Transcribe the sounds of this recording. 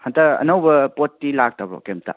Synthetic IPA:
hantɐɐ̰nɐwbɐpotːilak̚tabɾɔ̰kemta̰

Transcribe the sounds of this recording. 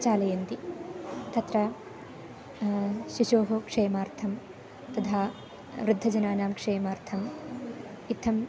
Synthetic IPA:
t͡ʃaːlɐjɐnt̪i | t̪ʰɐt̪ɾɐ | ʃiʃoːɦɐkʂeːmaːɾt̪ʰɐm | t̪ɐd̪ʰaː | ʋɾɪd̪ʱːɐd͡ʒɐnaːnaːmkʂeːmaːɾt̪ʰɐm | it̪ʰːɐm

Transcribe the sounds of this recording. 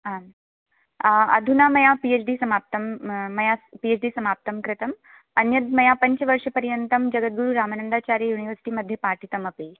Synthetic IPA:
ɦan | ɐ̰d̪ʱunamɐjapiet͡ɕɖiːsɐmap̚t̪əmːɐjapiet͡ʃɖiːsɐmap̚t̪əmkɾɪt̪əm | ɐnjəd̪mɐjapɐɲt͡ɕʋɐɾʂəpɐɾjənt̪ɐmd͡ʒɐɡət̪̚ɡuɾuɾaːmanənd̪aːt͡ɕaːɾjəjuːniʋəɾsi̥ʈiːməd̪ʱjepaːɾʈʰit̪ɐmɐpi

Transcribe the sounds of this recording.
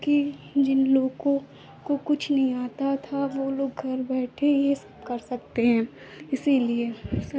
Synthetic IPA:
kid͡ʒɪnloːɡõ | kokʊt͡ʃʰnɐɦĩaːt̪at̪ʰaʋoloːɡɡʱɐɾbɛːʈʰejesɐbkɐɾsɐk̚t̪eɦɛ̃ː | ɪsiliesɐ

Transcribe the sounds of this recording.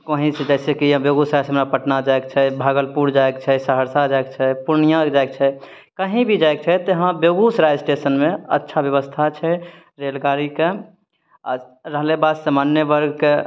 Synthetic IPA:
koɦĩsed͡ʒɛɪsekĩbjoɡusɾasɦəmɾapəʈnad͡ʒaekt͡ʃʰɛbʱaɡəlpuɾd͡ʒaekt͡ʃʰɛsəɦəɾsad͡ʒaekt͡ʃʰɛpuɾnijãkd͡ʒaek̚t͡ʃʰɛ | kəɦĩbʱid͡ʒaek̚t͡ʃʰɛt̪eɦãbjoɡusɾajd͡ʒsʈesənmẽə̰tːʃʰabjəβəst̪ʰat͡ʃʰɛ | ɾelɡaɾike | a̰ɾəɦlebad̪səmanjəbəɾɡke

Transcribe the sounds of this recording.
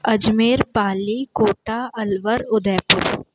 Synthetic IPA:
ɐd͡ʒmeːɾpaːlikoːʈaɐlʋəɾʊd̪ɛːpʊ̰ɾ

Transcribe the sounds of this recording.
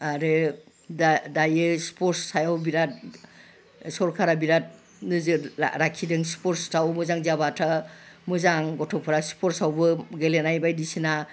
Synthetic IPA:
aɾɯ | dajɯspʰɔɾsːajawbiɾat̚ | sɔɾkʰaɾabiɾat̚ | nɯzɯɾakʰidɯŋspɔɾstʰawmɯzaŋzabatʰamɯzaŋɡɔtʰɔpʰɯɾaspʰɔɾsawbɯɡelenajbajdisina

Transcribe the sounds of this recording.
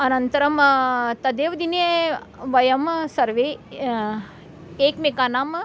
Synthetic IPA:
ɐnɐnt̪ɐɾɐmt̪ɐd̪eːʋd̪ineʋɐjɐmsɐɾʋeː | eːkmekaːnaːm

